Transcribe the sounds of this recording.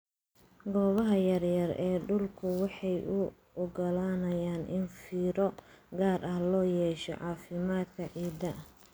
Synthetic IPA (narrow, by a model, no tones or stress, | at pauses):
ɡɔːβɐɦɐjɐrjɐrɛːɖʊlkʰʊwɑħɑjʊ | ɔɡɐlaːnɐjaːnʔɪnfiːɾɔɡaːrʔɐhlɔːjɛːʃɔ̰ʕɑːfɪmaːd̪kʰɐʕiːd̪ɐ